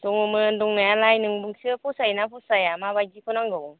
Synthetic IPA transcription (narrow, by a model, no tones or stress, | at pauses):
dɔŋumɯndɔŋnajalajnɯŋbɯŋsɯpʰusajnapʰusajamabajdikʰɯnaŋɡɯw